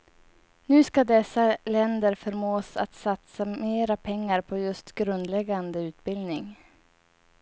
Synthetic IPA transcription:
nʉ̟ːskad̪ɛsːalɛnd̪əɾfœɾmoːsat̪sat̪sameːɾapʰɛŋːaɾpʰɔjɵst̪ɡɾɵnd̪lɛɡːand̪əʉ̟ːt̪̚bɪld̪nɪŋ

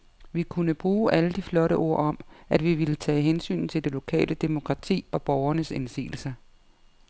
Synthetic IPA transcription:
ʋikʰunəb̥ʁuːʔæləd̥iflɒ̽ɾəʔo̝ɐ̰ɒ̽mʔæd̥ʋiʋilət͡sʰɛ̰ːɦensy̰ːn̩t͡sʰe̝ld̥e̝lo̝kʰɛ̰ːlʔəd̥emo̝kʰʁɑ̈t͡sʰḭːɒ̽b̥ɒʊɐnəsensḭːl̩sɐ

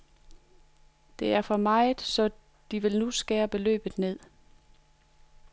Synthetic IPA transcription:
d̥e̝æɐfɒ̽mɑ̈ɪð̩ˠsɒ̽ | d̥iʋe̝lnusɡ̥ɛːɐb̥əlø̰ːb̥ð̩ˠne̝ð̞̰ˠ

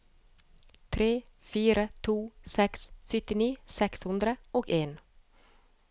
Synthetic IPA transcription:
t̪ʰɾeːfyːɾat̪ʰuːsɛksfʏt̪ːɪniːsɛkshɵnd̪ɾəʔɔkeːn

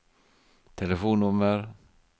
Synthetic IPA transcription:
t̪ʰɛlɛfoːnːɵmːəɾ

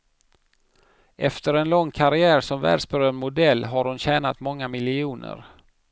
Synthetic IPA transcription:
ʔɛft̪əɾɛnlɔŋːkʰaɾɪæːɾsɔmvæ̰ːɖʂbœɾønmʊd̪ɛlːɦaɾhʊnɕɛːnat̪mɔŋːamɪlɪuːnə̰ɾ

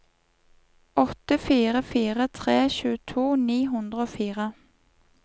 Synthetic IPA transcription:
ʔɔt̪əfiːʁəfiːʁət̪ʰʁeːçʉːt̪ʰuːniːɦʉnd̪ʁəoːfiːʁə

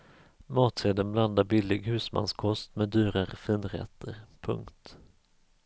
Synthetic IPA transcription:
mɑːt̪seːd̪ənbland̪aɾbɪlːɪɡhʉ̟ːsma̰nskʰɔst̪meːd̪yːɾaɾɛfiːnɾɛ̰t̪ʰːəɾpʰɵ̰ŋkt̪

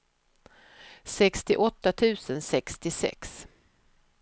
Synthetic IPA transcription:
sɛkst̪ɪʔɔt̪ːat̪ʰʉ̟ːsənsɛkst̪ɪsɛ̰ks

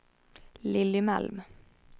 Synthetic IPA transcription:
lɪlːʏmɛ̰lm

